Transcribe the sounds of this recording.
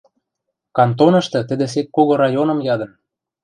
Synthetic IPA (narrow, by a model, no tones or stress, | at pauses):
kɑnt̪onɤ̆ʃt̪ɤ̆t̪ə̆d̪ĕs̬ek̪̚koɣoɾɑjonɤ̆mjɑd̪ɤ̆n